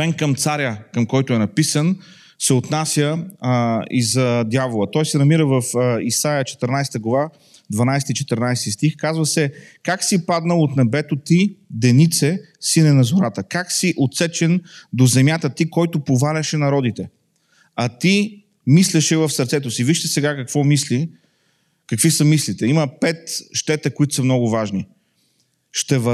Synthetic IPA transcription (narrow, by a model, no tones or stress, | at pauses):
vɛnkəmt̪saɾʲəkəmkɔjt̪ʊɛnɐpisən | sɛot̪nasʲjə | ḭzɐd̪javolˠət̪ɔjsɛnɐmiɾəvəfisajət͡ʃɛ̥t̪əɾnajst̪əɡlˠɐva | d̪vɐnajst̪it͡ʃɛ̥t̪əɾnajsɛt̪ist̪ixkazvəsɛ | kaksipad̪nəlˠot̪nɛbɛt̪ot̪id̪ɛnit̪sɛ | sinɛnɐzʊɾat̪əkaksiʔot̪sɛt͡ʃɛnd̪ozɛmjat̪ət̪ikɔjt̪ʊpovalʲɐʃɛnɐɾɔd̪it̪ɛ | ɐt̪i | mislʲɛʃɛvəfsəɾt̪sɛt̪ʊsiviʃt̪ɛsɛɡakəkvɔmisli | kɐkvisəmislit̪ɛiməpɛt̪ʃt̪ɛt̪əkoʊit̪ʊ̥səmnɔɡʊvaʒni | ʃt̪ɛvɐ